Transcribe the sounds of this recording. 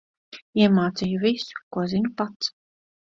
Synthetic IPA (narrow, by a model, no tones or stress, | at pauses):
iɛmaːt̪sijuvisu̥kuɔzinupat̪s